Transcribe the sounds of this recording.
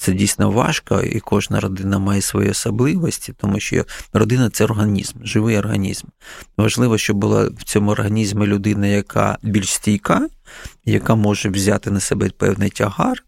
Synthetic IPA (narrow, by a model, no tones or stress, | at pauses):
t̪sɛdʲijsʲnɔʋɑ̰ʃkɐ̰ḭkʰɔʒnɐ̰ɾɔd̪ɪnɐmɑjɛsʋɔ̰jḭɔsɐblˠɪʋɔsʲtʲit̪ɔmuʃt͡ʃɔ̰rɔd̪ɪnɐt̪sɛɔrɦɐnʲḭzmʒɪʋɪjɔrɦɐ̰nʲḭzmʋɐʒlˠɪʋɔʃt͡ʃɔbʊlˠɑ̰wt͡sʲɔmʊɔrɦɐnʲizmɪlʲʊd̪ɪnɐjɐkʰa̰bʲilʲʃsʲtʲijkajɐkamɔʒɛwzʲat̪ɪnɐsɛbɛpɛ̰wnɪjtʲɐɦɑr